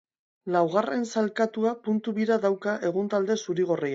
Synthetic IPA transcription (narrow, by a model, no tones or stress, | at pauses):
lawɣare̞nsalkat̪uapunt̪uβiɾaðawkaʔe̞ɣunt̪ald̪e̞suɾiɣ̞oria